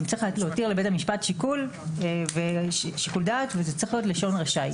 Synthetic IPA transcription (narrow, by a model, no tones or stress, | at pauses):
mt͡sʁiχtleotiʁlebe̞tamiʃpatʃikulveʃikuldaːtvezet͡sʁiχlijotleʃo̞nʁaʃaj